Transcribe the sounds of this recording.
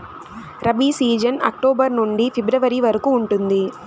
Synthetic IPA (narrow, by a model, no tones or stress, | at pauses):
ɾɐbiːsiːd͡ʒɐnɐ̰k̚ʈoːbɐɾnuɳɖipʰibɾɐʋɐɾiʋɐɾɐkuːɳʈund̪i